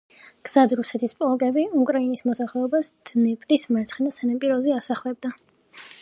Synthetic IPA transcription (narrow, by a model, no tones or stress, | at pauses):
ɡ̥z̥ad̪ɾusɛt̪ʰispʼlˠɔkʼɛbiukʼɾainismɔsaχlɛɔbasd̪̥nɛpʼɾismɛɾt̪sʰχɛnasanapʼiɾɔziasaχlɛb̚d̪a